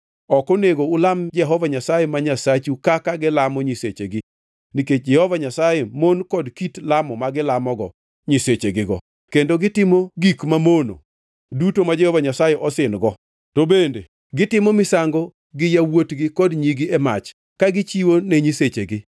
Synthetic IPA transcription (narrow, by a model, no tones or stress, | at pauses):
ɔkɔneɡoʊlamd͡ʒɛɦɔvaɲasajemaɲasat͡ʃukakaɡɪlamɔɲiset͡ʃeɡɪ | niked͡ʒɛhɔvaɲasajemonkɔdkitlamɔmaɡɪlamɔɡɔ̰ | ɲiset͡ʃeɡɪɡɔ̰ | kendoɡɪtɪmoɡikmamono̰ | dutomad͡ʒɛhɔvaɲasajɛʔɔsɪnɡɔ | tobende | ɡɪtɪmɔmɪsaŋɡɔ | ɡɪjawotɡɪkɔdɲiɡiɛmat͡ʃ | kaɡɪt͡ʃiwoneɲiset͡ʃeɡɪ